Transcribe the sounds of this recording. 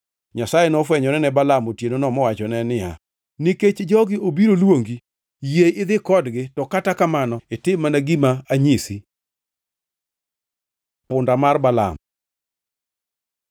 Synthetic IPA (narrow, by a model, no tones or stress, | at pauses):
ɲasajɛnɔfwɛɲɔnɛnɛbalamotjenonɔmɔwat͡ʃɔnɛnɪja̰ | niket͡ʃd͡ʒɔɡɪʔobiɾolwoŋɡi | jejɪd̪ɪkɔdɡɪtɔkatakamanɔɪtɪmːanaɡimaaɲisi | pʊndamarbala̰m